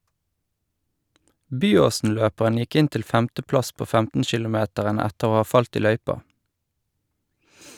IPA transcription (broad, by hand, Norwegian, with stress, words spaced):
ˈbyːˌoːsn̩ˌløːpəʁən ˈjɪk ˈɪn ˈtɪl ˈfɛmtəˌplɑs ˈpoː ˈfɛmtn̩ʃɪlʊˌmeːtəʁən ˈɛtəʁ ˈoː ˈɑː ˈfɑlt ˈiː ˈlœʏpɑ